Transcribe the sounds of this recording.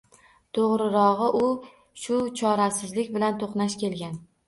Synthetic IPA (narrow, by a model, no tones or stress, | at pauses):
t̪ʰoʁɾɪɾɒʁɨʔʊ | ʃʊt͡ʃʰɒɾasɪzlɪkʲbɪlant̪ʰoqnaʃkʲe̞lɡʲan